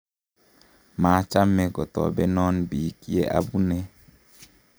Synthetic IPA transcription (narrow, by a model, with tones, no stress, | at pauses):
maː˨˦t͡ʃa˦mːɛ˨ɡɔ˨tɔ̰˨bɛ˦nɔ˦nbiː˨ki˦ɛ˦ʔa̰˦bu˦nɛ˦